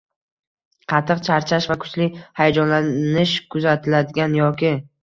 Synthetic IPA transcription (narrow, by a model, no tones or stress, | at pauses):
qʰɑt̪ʰːɨqt͡ʃʰaɾt͡ʃʰaʃvakʰʊ̥t͡ʃʰlɪhajad͡ʒɒnlanɪʃkʰʊzat̪ʰɪlad̪ɪɡʲanjɒkʲɪ